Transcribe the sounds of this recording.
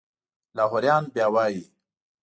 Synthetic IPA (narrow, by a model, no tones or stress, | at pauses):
lɑːɦʊɾjɑːnbjɑːwɑːji